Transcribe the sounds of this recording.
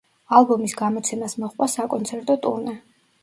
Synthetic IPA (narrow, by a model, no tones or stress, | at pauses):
alˠbɔmisɡamɔt̪sʰɛmasmɔχʼvwasakʼɔnt̪sʰɛɾt̪ʼɔt̪ʼuɾnɛ